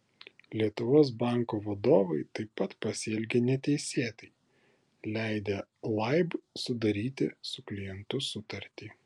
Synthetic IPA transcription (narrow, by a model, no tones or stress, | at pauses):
lʲiɛt̪ʊʋoːs̬bɑˑŋˑkoːʋɐd̪oːʋɐɪt̪ɐɪpːɐt̪pɐsʲɛlʲɡʲenʲɛt̪ʲɛɪsʲeːt̪ɐɪ | lʲæˑɪd̪ʲɛlˠɐɪbsʊd̪ɐɾʲiːt̪ʲɪ̰sʊklʲɪjɛnt̪ʊsʊt̪ɐɾʲt̪ʲiː